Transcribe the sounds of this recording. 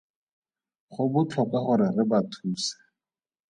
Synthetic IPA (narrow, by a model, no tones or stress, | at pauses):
χʊbʊt͡ɬʰɔkaχʊɾɪrɪbatʰuːsḁ